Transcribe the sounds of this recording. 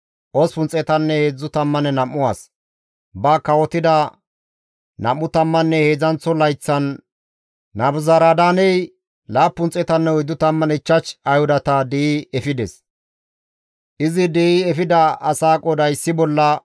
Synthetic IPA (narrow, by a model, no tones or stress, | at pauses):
ʔɔspʊnt͡sʼɛt̪ɐnːɛheːd͡zːʊt̪ɐmːɐnɛnɐmːʊwa̰ːs | bɐkɐwɔt̪ɪd̪ɐ | nɐ̰mːʊt̪ɐmːɐnːɛhe̞ːd͡zɐnt͡sːɔlɐjt͡sːɐnː | ɐbʊzaɾad̪aːnɛj | laːpːʊnt͡sʼɛt̪ɐnːɛɔjd̪ːʊt̪ɐmːɐnɛɪt͡ʃːɐt͡ʃɐjhʊd̪ɐt̪ɐd̪ɪiɛfɪd̪ɛs | ʔɪzɪd̪ɛiɛfɪd̪ɐɐsaːkʼɔd̪ɐjsːɪbɔlːɐ